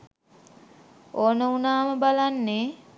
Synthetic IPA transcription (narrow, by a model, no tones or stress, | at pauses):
oːnəunaːməbalanːe